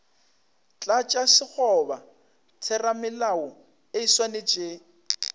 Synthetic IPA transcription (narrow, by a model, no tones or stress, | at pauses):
t͡ɬʼat͡ʃʼasɪk͡xʰɔba | tʰɛramɪlaʊ | eiswanet͡ʃʼe